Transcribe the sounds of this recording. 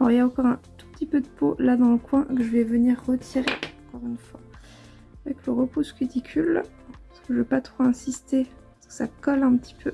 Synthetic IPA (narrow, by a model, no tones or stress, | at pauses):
ɔʁiljaɑ̃kɔʁɛ̃t̪u̥pət̪ipød̪əpolad̪ɑ̃ləkwɛ̃kəʒəvɛvəniʁːət̪ʰiʁeɑ̃kɔʁynfwa | avɛkləʁəpuskyt̪ikʲʰyl | pasə̥kəʒəvɛpat̪χoɛ̃sist̪e | aʁskə̥sakɔlɛ̃pət̪ʰi̥pʰø